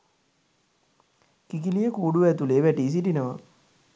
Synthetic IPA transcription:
kikilijəkuːɖuʋæt̪uleːʋæʈiːs̬iʈinəʋə̰

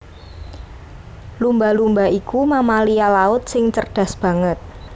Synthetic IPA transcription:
lumbalumbaikumamalialaʊt̪̚sɪŋt͡ʃərɖ̥a̤sb̥ä̤ŋət̪̚

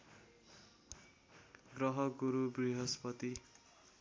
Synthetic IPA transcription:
ɡrʌɦʌɡuɾubriɦʌspʌt̪i

